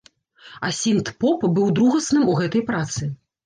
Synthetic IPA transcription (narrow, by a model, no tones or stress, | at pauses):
ɐsʲint̪pɔpbɨwd̪ɾuɣɐsnɨmuɣɛt̪ɐjpɾat̪sɨ